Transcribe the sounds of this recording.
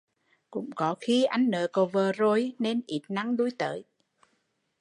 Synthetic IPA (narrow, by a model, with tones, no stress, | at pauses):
kʊ̰˧˥ŋ͡mkɔ˨˦xi˧ʔa˧jŋ̟nə̰ː˨ko˨˩vəː˨˩zo˧˩jne˧nʔi˨˩t̚na˨˦ŋɗu˧˦jt̪ə̰ː˧˨j